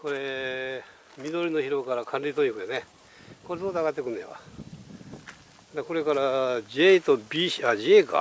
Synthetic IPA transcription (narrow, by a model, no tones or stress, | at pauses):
ko̞ɾe̞ | mʲid̪o̞ɾʲino̞çiɾo̞kaɾakʰãnɾʲit̪oɲʲikɯjone | koɾesoːt̪aɣat̪ːekɯ̟nejβa̰ | d̪eko̞ɾe̞kaɾad͡ʑet̪obʲiɕad͡ʑeːka̰